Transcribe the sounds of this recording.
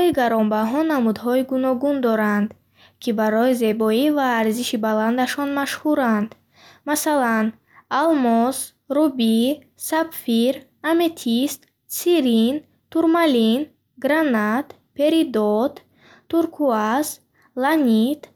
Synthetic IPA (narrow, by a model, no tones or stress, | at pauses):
ɔiɡaɾɔmbaɦɔnamud̪ɦɔiɡunɔɡund̪ɔɾand̪ | kʰibaɾɔize̞bɔivaːɾziʃibaland̪aʃɔnmaʃhuɾand̪ | masalan | almɔs | ɾubi | sabfiɾ | ame̞t̪ʰist̪ | siɾin | t̪uɾmalin | ɡɾanat̪ | pe̞ɾid̪ɔt̪ | t̪ːuɾkʰuas | lanit̪